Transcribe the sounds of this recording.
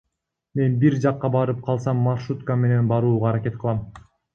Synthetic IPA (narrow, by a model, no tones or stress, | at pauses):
me̞nbiɾd͡ʒɑqːɑbɑɾɯp̚qʰɑlˠsɑmːarʃut̪kame̞ne̞nbɑɾuːʁɑːɾake̞t̪̚qʰɯlˠɑm